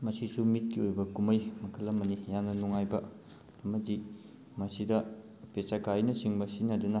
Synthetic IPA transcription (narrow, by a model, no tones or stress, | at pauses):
mɐsisumit̚kiojbɐkumɐjmɐkʰɐlːɐmːɐnijannɐnuŋajbɐ | ɐmɐdi | mɐsidɐ | pesakajnɐsiŋbɐsinɐdunɐ